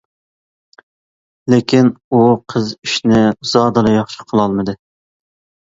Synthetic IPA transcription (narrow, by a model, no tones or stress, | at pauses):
lekʲʰinuqʰəziʃnɪz̥ɑːd̪ɨlˠɨjɑχʃɪ̥qʰəlˠɑlˠmɨd̪ɨ